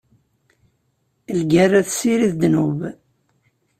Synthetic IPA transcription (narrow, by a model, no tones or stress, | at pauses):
lɡærːæθsiɾiθd̪nuv